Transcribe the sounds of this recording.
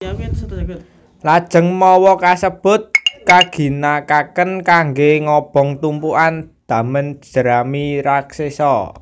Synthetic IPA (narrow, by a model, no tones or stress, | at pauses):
lad̥ʒ̥ə̤ŋmɔwɔkasəb̥ʊ̤t̪̚kaɡ̥i̤nakakənkaŋɡeŋɔb̥ɔ̤ŋt̪umpuʔand̪̥ä̤mən̥ʒ̥əɾamiɾaksesɔ